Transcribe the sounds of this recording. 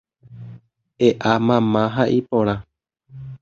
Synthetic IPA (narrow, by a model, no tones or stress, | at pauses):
eʔamãmãɦaʔipõɾ̃ã